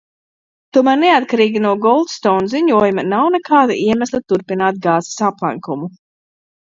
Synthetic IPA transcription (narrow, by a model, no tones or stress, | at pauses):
t̪uɔmæɾneat̪̚kaɾiːɡʲinuɔɡɔlˠd̪st̪ɔwnziɲuɔjumɐnawnekʰaːd̪a̰ʔiɛmæslʲˠit̪uɾpinaːt̪̚ɡaːzi̥saplˠa̰ŋkumu